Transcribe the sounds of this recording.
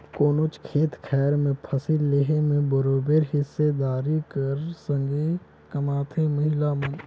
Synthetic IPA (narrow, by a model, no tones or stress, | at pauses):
koːnot͡ʃkʰeːt̪kʰɛːɾmẽpʰəsilleɦemẽbəɾoːbeːɾɦɪsːed̪aːɾikəɾsə̃ŋɡe | kəmaːt̪ʰeməɦɪlamə̃n